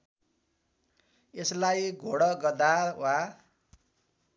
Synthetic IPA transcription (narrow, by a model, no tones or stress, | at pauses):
eslajɡʱoɽʌɡʌd̪awa